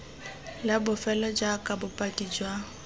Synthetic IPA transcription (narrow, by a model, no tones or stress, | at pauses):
labʊfɛlɔd͡ʒakʼabʊpʼatid͡ʒwa